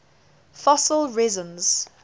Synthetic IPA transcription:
fɔsəlˠɹɛzə̃nz̥

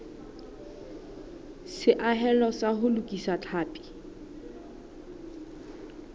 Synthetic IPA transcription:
sɪʔaɦɛlɔsahʊlʊkʼisat͡ɬʰaːpʼi̥

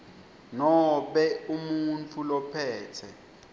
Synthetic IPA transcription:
nɔɓɛumunt͡fʰulɔpʰɛːtʰɛ̰

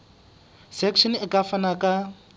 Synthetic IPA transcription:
sɛkʰʃɔnɪkʼafanakʼa

